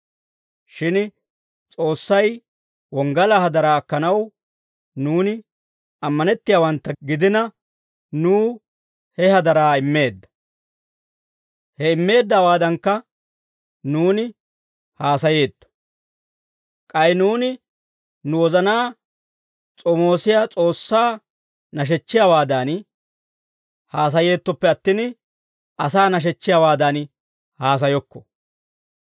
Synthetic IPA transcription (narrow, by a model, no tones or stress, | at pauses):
ʃɪn | t͡sʼo̞ːsːɐj | wɔŋɡɐlɐhɐd̪ɐɾaːkːɐnɐw | nuːnɪ | ɐmːɐnɛt̪ːɪjaːwɐnt̪ːɐɡɪd̪ɪnɐ | nuː | hɛhɐd̪ɐɾaːɪmːe̞ːd̪ːɐ̥ | hɛɪmːe̞ːd̪ːaːwaːd̪ɐŋkːɐ | nuːnɪ | haːsɐje̞ːt̪ːɔ̥ | kʼɐjnuːnɪ | nʊwɔzɐnaː | t͡sʼɔmo̞ːsɪjaːt͡sʼo̞ːsːaː | nɐʃ̬ɛt͡ʃːɪjawaːd̪an | haːs̬ɐje̞ːt̪ːɔpːɛɐt̪ːɪn | ʔɐsaːnɐʃ̬ɛt͡ʃːɪjaːwaːd̪ɐn | haːs̬ɐjɔkːɔ